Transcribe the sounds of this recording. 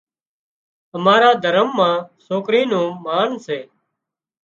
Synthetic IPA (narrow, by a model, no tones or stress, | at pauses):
əmaːɾaːd̪ʱəɾəmːãːsoːkɾiːnõːmaːnseː